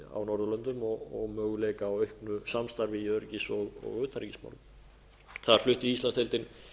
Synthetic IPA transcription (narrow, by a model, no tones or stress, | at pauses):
a̰wnɔɾðʏlœnt̪ʏmɔɣɔɣmœːɣʏleːjkaːwœɥhknʏsamst̪aɾvɪjœɾcisɔðɔ̰ɣʏːt̪aɾicisma̰ːwlm | θaðaɾ̥flʏht̪iist̪lanst̪ejlt̪ɪn